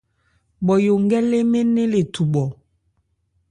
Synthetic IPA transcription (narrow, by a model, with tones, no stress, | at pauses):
ɓɔ˨jo˨ŋɡɛ˦le˦me˦ne˦le˨tu˨ɓɔ˨